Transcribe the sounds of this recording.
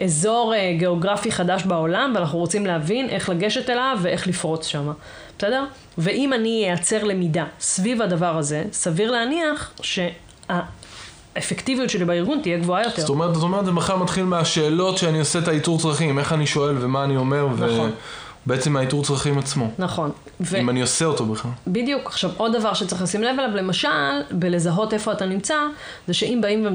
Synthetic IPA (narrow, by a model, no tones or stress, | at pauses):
ezo̞ʁeɡe̞oɡʁafiχadaʃbao̞lamveanaχnuʁot͡simleavinʔe̞χlaɡe̞ʃe̞telavːee̞χlifʁo̞t͡sʃama | b̥e̥sedeʁ | ve̞ʔimanijejat͡se̞ʁle̞midasvivadavaʁaze̞saviʁleaniaχʃe̞ | a | efektivijutʃelibaiʁɡunt̪ijeɡvoajo̞tezotomeet̪̬at̪ome̞ʁet̪emaχalmat̪χilmeaʃe̞ːlo̞tʃeanioseet̪aituʁt͡sʁaχime̞χaniʃo̞e̞lvemaːnio̞me̞ʁve | beet͡semaituʁt͡sʁaχimat͡smo̞naχo̞n | veimanioseot̪o̞beχalbidijukaχʃavo̞dːavaʁʃet͡sʁeχlasimlevelavle̞maʃalbele̞zaɦo̞te̞fo̞atanimt͡sa | zeʃe̞ʔimbaimve